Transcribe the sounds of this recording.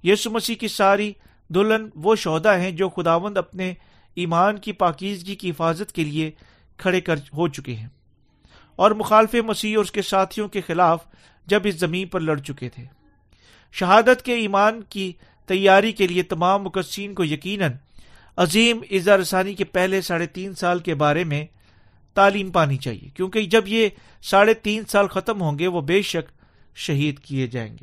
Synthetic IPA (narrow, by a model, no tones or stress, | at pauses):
jiːsumɐsiːkisaːɾi | d̪ʊlənʋoʃɔːd̪aɦɛ̃d͡ʒoːxʊd̪aːʋə̃nd̪ɐpne | iːmaːnkipaːkiːzɡikiɦɪfaːzət̪kelie | kʰɐɽekɐɾɦot͡ʃʊkḛɦɛ̃ː | ɔːɾmʊxaːlfemɐsiːɔɾʊskesaːt̪ʰijõkexɪlaːf | d͡ʒɐbɪszɐmĩːnpɐɾlɐɽt͡ʃʊket̪ʰeː | ʃɐɦaːd̪ət̪keiːmaːnki | t̪ɐjːaːɾikeliet̪ɐmaːmːʊkəsiːnkojɐkiːnən | ɐziːmɪzaɾɐsaːnikepɛɦlesaːɽet̪iːnsaːlkebaːɾemẽ | t̪aːliːmpaːnit͡ʃa̰ːɦḭjḛkjõːked͡ʒɐbje | saːɽet̪iːnsaːlxɐt̪əmɦõːŋɡeʋobeːʃɐk | ʃɐɦiːd̪kied͡ʒa̰ːḛ̃ːŋɡeː